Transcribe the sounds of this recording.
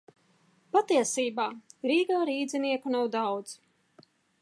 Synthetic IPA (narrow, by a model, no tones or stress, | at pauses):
pat̪iɛsiːbaːɾiːɡaːɾiːd̪ziniɛkunawd̪awd̪z